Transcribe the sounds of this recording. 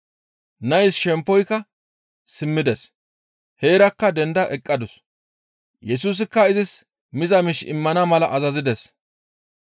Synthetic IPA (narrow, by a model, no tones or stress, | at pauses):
nɐjsʃɛmpːɔjkːɐ | sɪmːɪd̪ɛs | heːɾɐkːɐd̪ɛnd̪ɐʔɛkʼːɐd̪ʊs | jɛsuːs̬ɪkːɐɪzɪs | mɪzɐmɪʃɪ̰mːɐnɐmɐlɐʔɐzɐzɪd̪ɛs